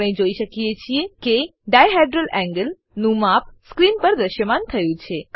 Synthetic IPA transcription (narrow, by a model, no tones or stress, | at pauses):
ɽə̃ĩd͡ʒoiʃəkijet͡ʃʰiekeɖajɦɛɖɾəlʔɛ̃ŋɡəl | nũmap̚skɾinpəɾd̪əʃjəmant̪ʰəjũt͡ʃʰe